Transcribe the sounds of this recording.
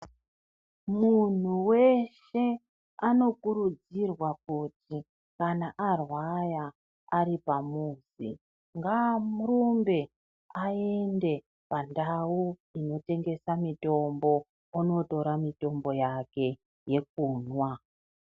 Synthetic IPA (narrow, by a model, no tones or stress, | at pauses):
mun̤uwe̞ʃ | e̞ | ano̞kuɾud͡zirwakuti | kanaʔarwajaː | ɾipamuːzḭ | ŋɡamurumbe̞ | ae̞nde̞ | pandauino̞te̞ŋɡe̞samito̞mbo̞ | uno̞to̞ɾamito̞mbo̞jake̞ | je̞k̚uːnwa